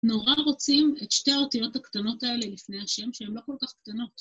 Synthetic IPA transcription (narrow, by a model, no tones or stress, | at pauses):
no̞ʁaʁo̞t͡simetʃte̞aotijo̞thaktano̞tae̞le̞lifne̞jaʃe̞mʃeemlo̞ko̞lkaχkt̪ano̞t